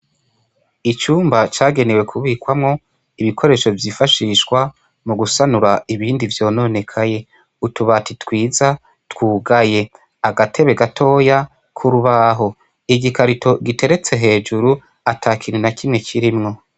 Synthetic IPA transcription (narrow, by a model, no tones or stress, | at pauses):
it͡ʃuːmbat͡ʃaːɡe̞ne̞we̞kʰuβiːkwamŋo̞ | iβikʰo̞ɾe̞ːʃo̞vjiːfaʃiʃɡwa | muɡusanuɾaiβiːndivjo̞ːno̞ne̞kʰaje̞ | utuβatitwiːza | twuːɡaje̞ | aɡatʰe̞βe̞ɡatʰo̞ːja | kʰuɾuβaɦo̞ | iɡikaɾitʰo̞ɡitʰe̞ɾe̞t͡se̞ɦe̞ːd͡ʒuɾu | atʰakʰininakimŋe̞kiɾimŋo̞